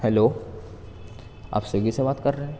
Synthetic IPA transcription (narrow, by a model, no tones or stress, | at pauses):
hɛloː | a̰ːpseɡisebaːt̪kɐɾːɐɦɛ̃